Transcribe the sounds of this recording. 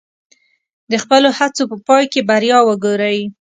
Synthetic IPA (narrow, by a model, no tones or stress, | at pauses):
d̪əxpəlohat͡sopəpɑjkebaɾjɑwəɡoɾawi